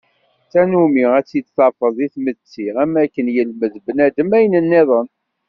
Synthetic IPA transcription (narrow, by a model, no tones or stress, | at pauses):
t͡sːænumiʁæt͡sːid̪θɑɾfəðˤiθmət͡sːiʁæmækːənjəlməðbnæd̪əmæjənənːeðˤən